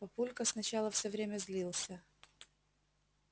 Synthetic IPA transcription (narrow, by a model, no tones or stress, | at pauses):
pɐpulʲkəsnɐt͡ɕalˠəfsʲovɾʲemʲəzʲlʲilˠsʲə